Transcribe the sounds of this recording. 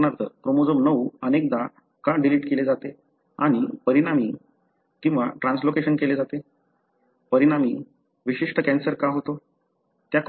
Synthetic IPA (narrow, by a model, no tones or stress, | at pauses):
naɾt̪əkɾomod͡zəmnəuənek̚d̪a | kaɖiliʈkeled͡zat̪e | aɽ̃ipəɾiɽ̃ami | kĩw̃ʋaʈɾãnslokeɕənkeled͡zat̪e | pəɾiɽami | ʋiɕiʂʈəkɛ̃nsəɾkaɦot̪o | t̪jak